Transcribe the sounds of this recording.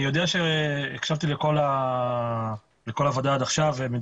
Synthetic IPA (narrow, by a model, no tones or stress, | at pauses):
ijo̞d̪eaʃeːkʃavt̪ileko̞la | leko̞lavod̪aad̪aχʃavemi